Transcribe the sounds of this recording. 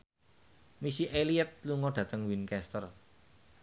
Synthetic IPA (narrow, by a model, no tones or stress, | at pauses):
misiʔeliət̪̚luŋɔɖ̥ä̤t̪əŋwinkɛst̪ər